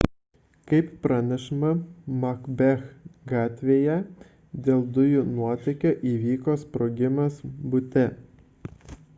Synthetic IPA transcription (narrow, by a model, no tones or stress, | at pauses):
kɐɪpːɾɑnʲɛʃɪmɐmɐkbʲɛxɡɑːt̪ʲʋʲeːjɛ | d̪ʲeːlˠd̪ʊjʊnuɔt̪ʲɐɪkʲoːʔiːʋʲiːkoːspɾoːɡʲɪmɐsbʊt̪ʲɛ